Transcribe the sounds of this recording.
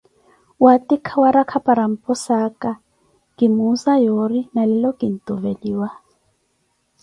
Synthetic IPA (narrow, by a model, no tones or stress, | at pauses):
watikʰawaɾakʰapʼaɾam̩pʼɔsaka | kimuzajorinalɛlɔkin̩tʼuvediːwa